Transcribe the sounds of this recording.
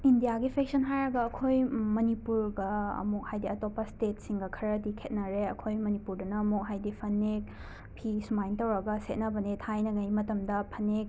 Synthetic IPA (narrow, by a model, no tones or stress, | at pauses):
indijaɡipʰek̚sɐnɦajɾɐɡɐːkʰojmɐnipuɾɡɐ̰ːmuk̚hajdiɐtopːɐstet̚siŋɡɐkʰɐɾɐdikʰet̚nɐɾeɐkʰojmɐnipuɾdunɐːmuk̚ɦajdipʰɐnːek̚ | pʰismajntɐwɾɐɡɐset̚nɐbɐnitʰajnɐɡɐjmɐtɐmdɐpʰɐnːek̚